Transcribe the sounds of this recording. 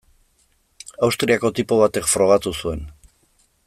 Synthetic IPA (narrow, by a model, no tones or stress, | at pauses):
awst̪ɾiako̞t̪ipo̞β̞at̪ekfɾo̞ɣ̞at̪usue̞n